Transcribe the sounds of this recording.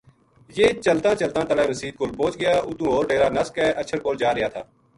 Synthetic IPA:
jeːt͡ʃəlt̪ãːt͡ʃəlt̪ãːt̪əlaːnəsiːd̪̚kolbõːt͡ʃɡəjaːʔʊt̪ũːɦoːɾʈeːɾaːnəskɛːʔət͡ʃʰəɾkoːld͡ʒaːɾɪjaːt̪ʰaː

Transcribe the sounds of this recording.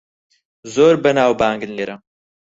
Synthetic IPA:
zoːɾbɐnaːwbaːŋɡɨnleɾʔɐm

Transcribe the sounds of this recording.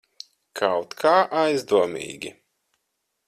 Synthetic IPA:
kʰawt̪kʰaːʔajzd̪uɔmḭːɡʲi

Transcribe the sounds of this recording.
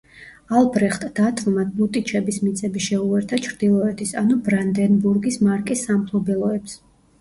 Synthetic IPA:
alˠbɾɛχt̪ʼd̪̥at̪ʰvlˠmad̪̚but̪ʼit͡ʃʰɛbismit̪sʼɛbiʃɛuɛɾt̪ʰat͡ʃʰɾd̪ilˠɔɛt̪ʰisanubɾand̪ɛnbuɾɡismaɾkʼisːampʰlɔbɛlˠɔɛps

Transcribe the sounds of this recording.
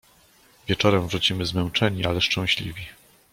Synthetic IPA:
vʲjɛt͡ʂɔɾɛmvʐut͡ɕimɘzmɛnt͡ʂɛɲiʔalɛʂt͡ʂɛ̃w̃ɕlʲḭvʲi

